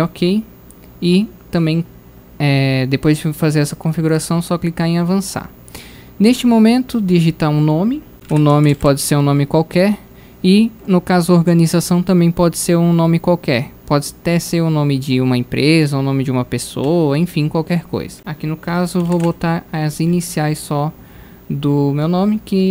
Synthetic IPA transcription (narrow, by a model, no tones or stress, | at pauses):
ɔkʰej | ɪt̪ɐ̃bẽj̃ | ɛd̪epojzd͡ʒɪfazeɾɛsɐkõfiɡuɾasɐ̃w̃sɔklikaɾẽavɐ̃sa̰ɾ | neʃt͡ʃɪmomẽnt̪ʊd̪ɪiʒit̪aɾũnõmɪ | ʊnõmɪpɔd͡ʒɪseɾũnõmɪkwawkɛɾ | ɪnʊkazʊoɾɡɐ̃nizasɐ̃w̃t̪ɐ̃mbẽj̃pɔd͡ʒɪseɾũnõmɪkwawkɛɾpɔd͡ʒɪat̪ɛseɾʊnõmɪd͡ʒɪũmɐẽpɾʔezɐownõmɪd͡ʒɪũmɐpesoɐẽfĩkwawkɛɾko̰jz̥ɐakinʊkazʊvowvowt̪aɾɐzinisiajsɔ | d̪ʊmewnõmɪkɪ